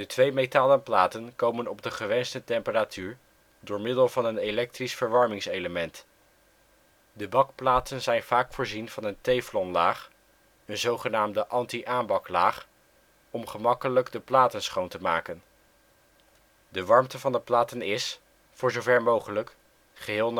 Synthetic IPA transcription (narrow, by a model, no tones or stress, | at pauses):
dətʋejmetaːlənplaːtənkowmənɔbdəχəʋɛnstətɛmpəratʰyːɹ | dʊːɹmɪdəlˠvɑnənelɛk̚trisfəɹʋɑɹmɪŋsejləmɛnt | dəbɑkplaːtənzɛjnv̥aːkfʊːɹzinv̥ɑnəntejflɔnlaːχ | ənzowχənaːmdəʔɑntiʔaːmbɑklaːχ | ɔmχəmɑkələɡdəplaːtənsχowntəmaːkən | dəʋɑɹmtəvɑndəplaːtənɪs | fʊːɹzowvɛɹmowχələk | χəɦɪːlˠn